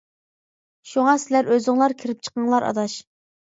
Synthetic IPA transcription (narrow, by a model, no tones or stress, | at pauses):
ʃuŋɑsɪlæɾøzɪŋlˠɑɾkʲʰiɾɪp̚t͡ʃʰə̥qəŋlˠɑɾʔɑ̰d̪ɑʃ